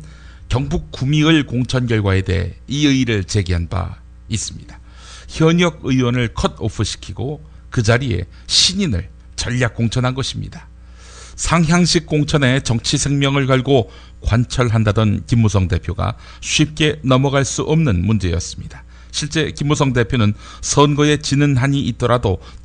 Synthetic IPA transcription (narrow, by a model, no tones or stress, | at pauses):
kjʌŋbuk͈ːumiɯɭkoŋt͡ɕʰʌnɡjʌɭɡwae̞de̞̰ɦḛiɯiɾɯɭt͡ɕe̞ɡiɦanba̰ | is͈ɯmɲid̥ḁ | çjʌɲʌɡ̚ɯiwʌnɯɭkʰʌdopʰɯɕʰi̥kʰiɡo | kɯd͡ʑaɾie̞̰ | ɕʰiɲinɯ̰ɭ | t͡ɕʌʎːak̚k͈ːoŋt͡ɕʰʌnɦanɡʌɕʰimɲḭda | sʰaŋɦjaŋɕʰik̚k͈oŋt͡ɕʰʌne̞t͡ɕʌŋt͡ɕʰisʰe̞ŋmjʌŋɯɭkʌɭɡo | kwant͡ɕʰʌɭɦandadʌnkimːusʰʌŋde̞pʰjoɡa̰ | ɕʰɥip̚k͈e̞nʌmʌɡaɭs͈uʔʌmnɯnmund͡ʑe̞jʌ̰s͈ɯ̥mɲid̥ḁ | ɕʰiɭt͡ɕ͈e̞kimːusʰʌŋde̞pʰjonɯn | sʰʌnɡʌe̞t͡ɕinɯnɦaɲiʔit̚t͈ʌɾado